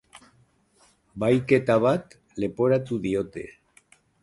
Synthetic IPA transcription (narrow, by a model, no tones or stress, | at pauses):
bajket̪aβ̞at̪ | lepoɾat̪uðiot̪ḛ